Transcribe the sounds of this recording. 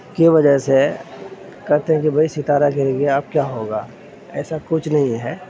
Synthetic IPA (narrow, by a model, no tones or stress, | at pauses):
kiʋɐd͡ʒəse | kɛɾt̪eɦɛ̃k̬ibʱɐisɪt̪aːɾakeɾẽɡeaːp̚kjaːɦoːɡaː | ɛːsakʊt͡ʃʰnɐɦĩɦɛː